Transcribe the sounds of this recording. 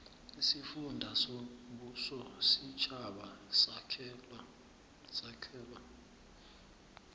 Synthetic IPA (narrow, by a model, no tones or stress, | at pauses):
isifundʱasoɓusɔsit͡ʃʰʼaɓa | sakʰɛːlwa